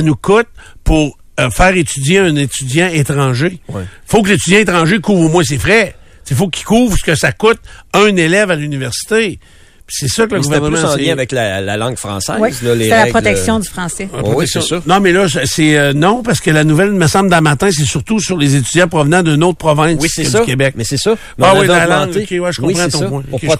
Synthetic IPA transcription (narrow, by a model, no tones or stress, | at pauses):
anukʊt̪̚puʁ | əfɛːʁet̪yd͡zjeœ̃net̪yd͡zjãet̪ʁɑ̃ːʒewɛ | fokəlet̪ydd͡zjãet̪ʁɑ̃ːʒekuːvʁomwɛ̃s̬efʁɛ | t͡sefokʲi̥kuːvʁsə̥kəsakʊt̪̚œ̃nelɛvalynivɛʁsi̥t̪e | pi̥sɛsʌkələɡuvɛʁəmãljɛ̃avɛklala̰lɑ̃ŋɡfʁɑ̰̃sɛ̰izlɔleɛlapʁɔt̪ɛksjɔ̃d̪yfʁɑ̃sɛpʁɔt̪ɛsjɔ̃nɔ̃mɛlʌsəsɛnɔ̃paʁsə̥kəlanuvɛlməsãbld̪ɛ̃mat̪ɛ̃s̬ɛsyʁt̪usyʁlezet̪yd͡zjãpʁɔvnãd̪ynot̪̚pʁɔvɛ̃wiəkʲebɛk̚mɛsɛsɔ | awilalãŋokʲewiʒə̥kɔ̃wpʁãt̪ɔ̃pwɛ̃ke